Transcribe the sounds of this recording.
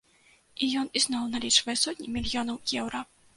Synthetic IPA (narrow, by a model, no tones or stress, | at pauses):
ijɔniznɔwnalʲit͡ʂvɐjɛsɔtʲnʲimʲilʲjɔnɐwjɛwɾɐ